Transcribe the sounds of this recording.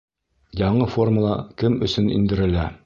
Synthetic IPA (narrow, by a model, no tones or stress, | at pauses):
jɑɴɤfo̞rmulˠɑkɘmɵ̆sɵnḭnd̪ɘ̆ɾɘ̆læ